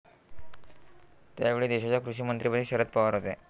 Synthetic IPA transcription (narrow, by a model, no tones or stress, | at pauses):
t̪jaʋeɭiːd̪eɕat͡ɕjakɾuɕiːmənt̪ɾipət̪ʰiɕəɾət̪̚pəʋaɾɦot̪e